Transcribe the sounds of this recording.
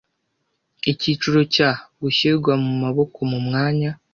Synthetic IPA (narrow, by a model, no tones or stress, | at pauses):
icit͡ʃuɾo̞caβuɕiɡwamumaβo̞ko̞mumŋaːɲa